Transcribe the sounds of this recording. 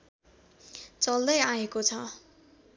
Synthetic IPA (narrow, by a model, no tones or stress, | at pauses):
t͡sʌld̪ʌjaekot͡sʰʌ